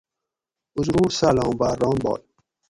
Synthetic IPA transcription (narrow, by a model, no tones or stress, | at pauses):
uzɾuːɾsalɑ̃ːbaːɾːɔ̃ːnbɔ̰ːl